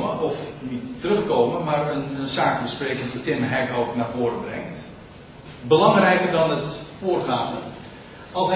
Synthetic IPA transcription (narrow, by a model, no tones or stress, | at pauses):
məɔfnitːərɵχkoːməmarənsaːkbəspreːkəndətɪməɦɛkowknaːvoːɾəbrɛŋt | bəlɑŋrɛjkərdɔnətfoːrɣaːtə | ɑlˠs